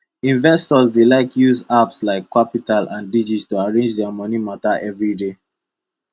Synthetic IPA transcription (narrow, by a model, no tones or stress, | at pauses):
ĩnvɛstɔzdelaɪkjuzapslaɪkʰːapitalʔãndid͡ʒitstuaɹẽnd͡ʒdɛamɔnimataʔɛvɹide